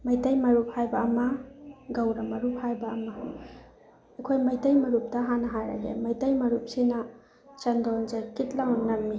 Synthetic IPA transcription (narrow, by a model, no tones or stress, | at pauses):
mɐjtɐjmɐɾup̚hajbɐːmɐɡɐwɾɐmɐɾup̚hajbɐːmɐ | ɐkʰojmɐjtɐjmɐɾup̚tɐɦanɐɦajɾa̰ɡḛmɐjtɐjmɐɾup̚sinɐ | t͡ʃɐndɔnzakit̚lawnːɐmːi